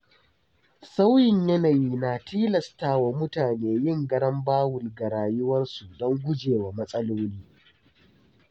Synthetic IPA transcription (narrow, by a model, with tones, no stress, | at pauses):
sa˦wjɪ˨ɲjɐ˦naː˨jiː˦naː˨tʰiː˦lɐ˨staː˦˨wa˨mʊ˦taː˨neː˨˦jɪ˦˨ŋɡɐ˦ɽɐ˦mbaː˦wʊ˨lɡa˨ɾaː˨jʊ˦wɐ˦nsu˨dɔ˦ŋɡʷʊ˦d͡ʒeː˨wa˨mɐ˦sʼɐ˦loː˦niː˦